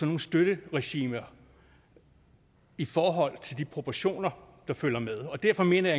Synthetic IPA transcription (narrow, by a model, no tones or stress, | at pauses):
sɒ̽no̝ːn̩sd̥øɾ̥əʁɛɕḭːmɐ | ifɒːɦɒ̽l̰t͡sʰe̝ld̥ipʰʁo̝pʰɒɕo̝̰ːnɐ | d̥ɑ̈føl̰ɐmeðˠɒ̽d̥æɐfɒ̽me̝̰ːnɐjɑ̈